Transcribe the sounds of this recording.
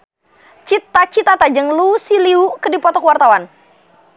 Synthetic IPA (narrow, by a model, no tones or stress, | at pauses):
t͡ʃit̪ːat͡ʃit̪at̪ad͡ʒəŋlusiliukədipɔt̪ɔkəwart̪awan